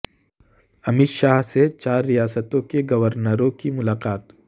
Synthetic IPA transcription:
ɐmɪt̪ʃaːɦset͡ʃaːɾːijaːsət̪õkeɡɐʋəɾnəɾõkimʊlaːqaːt̪

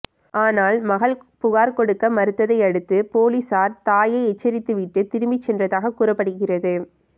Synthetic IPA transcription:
aːnaːlmɐɣɐlpʊɣaːɾkɔɽɯkːɐmɐɾɯt̪ːɐðɐɪɐɽɯt̪ːɯpoːlisaːɾt̪aːjɐɪɛt͡ʃːɐɾɪt̪ːɯʋɪʈːɯt̪ɪɾɯmbɪt͡ʃːɛndrɐðaːɣɐkuːrɐpːɐɽɯɣɪrɐðɯ

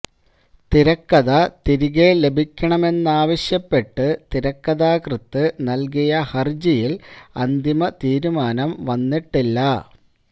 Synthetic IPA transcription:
t̪iɾɐkːɐðɐt̪iɾiɣele̞bʱikʲːɐɳɐme̞nːaːʋɐɕjɐpːe̞ʈːɨt̪iɾɐkːɐðaːkrɨt̪ːɨnɐlk̬ijɐhɐrd͡ʑijilɐnd̪imɐt̪iːɾumaːnɐmʋɐnːiʈːilːɐ

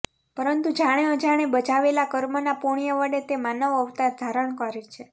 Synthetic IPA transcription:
pəɾənt̪ud͡ʒaɽ̃eod͡ʒaɽ̃ebət͡ʃaʋelakəɾmənapuɽ̃ijəʋəɽet̪emanəʋəʋt̪ad̪ʱaɾəɳ̃kəɾet͡ʃʰe

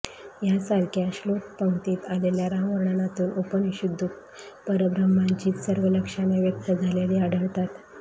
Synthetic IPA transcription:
jasaɾkjaɕlok̚pəwt̪iːt̪aleljaɾaʋəɾɳanat̪uːnʔopəniɕud̪ʱːuk | pəɾəbɾəmaɲt͡ɕiːt̪səɾʋələkʂaneʋjək̚t̪əd͡zʱaleliːaɽəɭt̪at̪

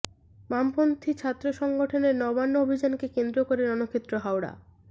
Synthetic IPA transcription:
mampont̪ʰit͡ɕʰat̪ːɾoʃɔŋɡoʈʰoneɾnɔbanːoobʱid͡ʑankekend̪ɾokoɾeɾɔnokʰet̪ːɾoɦawɾa̰

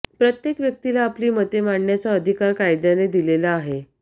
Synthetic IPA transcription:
pɾət̪jekʋjək̚t̪ilaːpliːmət̪emaɳɳjat͡saəd̪ʱikaɾkajd̪janed̪ilelaːɦe

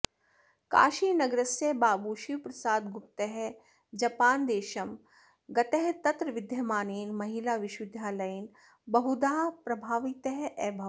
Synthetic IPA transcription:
ka̰ːʃiːnɐɡɾɐsebaːbuːʃiʋpɾɐsaːd̪ɡʊp̚t̪eɦ | d͡ʒɐpaːnd̪eːʃɐm | ɡɐt̪eɦt̪ɐt̪ɾəʋɪd̪ʱjɐmaːniːnmɐɦilaːʋɪʃʋɪd̪ʱjaːlɐjn | bɐɦud̪aːpɾɐbʱaːʋit̪eɦʔɛːbʱɐ

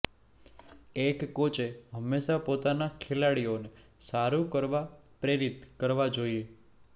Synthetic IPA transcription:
ekːot͡ʃeɦəmːeʃapot̪anakʰelaɽione | saɾukəɾʋapɾeɾit̪kəɾʋad͡ʒoie

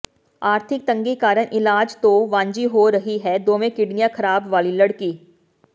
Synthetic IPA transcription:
aːɾt̪ʰɪk̚t̪ɐ̃ŋɡikaːɾəɳʔɪlaːd͡ʒt̪oʋãːɲd͡ʒiɦoɾɐɦiɦɛd̪oːmẽkɪɖnijãkʰɐɾaːbʋaːlilɐɽkiː

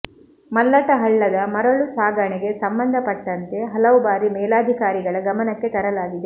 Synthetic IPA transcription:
mɐlːɐʈɐɦɐɭːɐd̪ɐmɐɾɐɭusaːɡɐɳɛɡe̞sɐmbɐnd̪ʱɐpɐʈːɐnt̪e̞ɦɐlɐʋubaːɾimɛːlaːd̪ʱikaːɾiɡɐɭɐɡɐmɐnɐkːe̞t̪ɐɾɐlaːɡid̪e

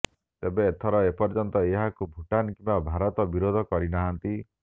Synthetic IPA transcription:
t̪ebeːt̪ʰɔɾɔepɔɾd͡ʒɔnt̪ɔeɦakubʱuʈankĩmbabʱaɾɔt̪ɔbiɾod̪ʱɔkɔɾinaɦant̪i

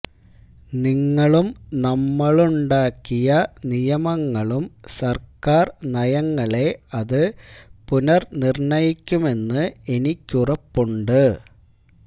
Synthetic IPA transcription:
niŋːɐɭumnɐmːɐɭuɳɖaːkːijɐnijɐmɐŋːɐɭumsɐrkaːrnɐjɐŋːɐɭe̞ɐðɨpunɐrnirɳɐjikʲːume̞nːɨe̞nikʲːurɐpːuɳɖɨ

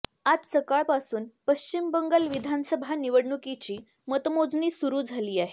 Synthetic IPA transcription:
ad͡zsəkaɭpasuːnpəɕt͡ɕimbəŋɡəlʋid̪ʱansəbʱaniʋəɽɳukit͡ɕiː | mət̪mod͡zniːsuɾuːd͡zʱaliːaɦe

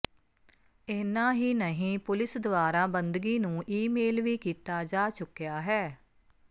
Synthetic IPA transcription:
enãːɦiːnəɦĩːpʊlɪsd̪ʊaːɾaːbənd̪ɡiːnũːʔiːmeːlʋiːkiːt̪aːd͡ʒaːt͡ʃʊkːjaːɦɛː

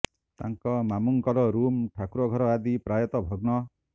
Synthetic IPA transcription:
t̪aŋkɔmamuŋkɔɾɔɾumʈʰakuɾɔɡʱɔɾɔad̪ipɾajɔt̪ɔbʱɔɡnɔ

